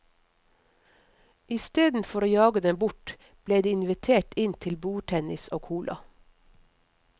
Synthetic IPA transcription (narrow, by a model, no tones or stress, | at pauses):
ɪst̪eːd̪n̩fɔɾoːjɑːɡəd̪ɛmbʊʈ | b̥leːd̪iːɪnʋɪt̪ʰeːʈɪnt̪ʰɪlbuːʈʰɛnɪsoːkʰuːlʔɑ̰